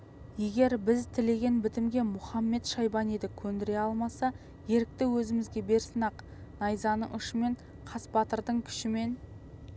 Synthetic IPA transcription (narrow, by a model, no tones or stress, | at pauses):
je̞ɡʲe̞ɾbɪzt̪ʰɪle̞ɡʲe̞nbɪt̪ɪmɡʲe̞mʊχɑmːe̞t̪ʃɑjbɑned̪ɪkʲʰɵnd̪ɪɾe̞ɑlˠmɑsɑ | je̞ɾɪk̚t̪ɪwɵzɪmɪzɡʲe̞be̞ɾsənɑq | nɑjzɑnə̰ʔʏʃəme̞ɴ | qʰɑsbɑt̪əɾd̪əɴkʲʰʏ̥ʃɪme̞n